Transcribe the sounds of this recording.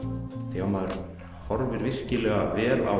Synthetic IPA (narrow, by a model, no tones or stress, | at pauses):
θiamaðɾ | hɔɾvɪɾvɪr̥cɪlɛɣavɛːla̰